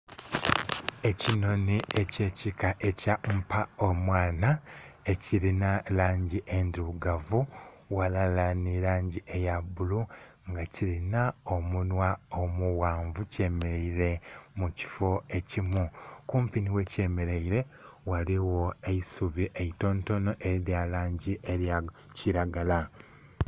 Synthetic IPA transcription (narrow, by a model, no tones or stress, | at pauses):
e̞cino̞nieceːcikaʔe̞cam̩pʰaomwaːnaeciɾinalaːɲɟiʔenduɡavu | walalaniɾaːɲɟiʔejabulu | ŋɡaciɾinao̞munwaomuwaːɱvuceːmeɾeiɾe̞muci̥fo̞e̞cimukuːmpiniwe̞ce̞ːme̞ɾeiɾe̞waliwo̞eisuβiʔeito̞ːnto̞no̞ʔeɾjalaːɲɟiʔeɾj | ciɾaɡala